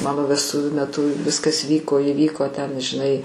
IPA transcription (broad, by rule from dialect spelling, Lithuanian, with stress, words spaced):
ˈmɑːnoː ʋʲɛsˈtʊʋʲuː mʲɛˈtʊ ˈʋʲɪskɐs ˈʋʲiːkoː iːˈʋʲiːkoː tʲɛn ʒʲɪˈnɐɪ